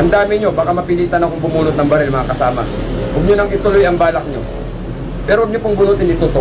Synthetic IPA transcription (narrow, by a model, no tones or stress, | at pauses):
ʔɐnd̪aːmɪɲo̞baːkamɐpɪliːt̪ɐnɐkoŋbʊmuːnʊt̪̚nɐŋbɐɾɛlmɐŋakɐsaːmɐ̰ | ʔʊɡɲʊnɐŋɪt̪ʊlojɐŋbaːlɐk̚ɲo̰ | pɛːɾoʔɐɡ̚ɲopʊŋbʊnut̪ɪnɪt̪ot̪o